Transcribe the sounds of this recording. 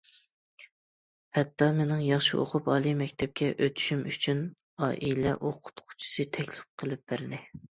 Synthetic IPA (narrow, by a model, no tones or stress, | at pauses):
hɛt̪ːɑmenɪŋjɑχʃḭʔo̰qʰʊpɑːlˠimɛkʲt̪ʰɛp̚kʲʰɛʔøt̪ʰy̥ʃymyt͡ʃʰyn | ɑːʔilɛʔoqʰʊ̥t̪qʰʊ̥t͡ʃʰi̥sɨt̪ʰɛkʲlɪ̥p̚qʰəlˠɪp̚b̥æɾɪnɪ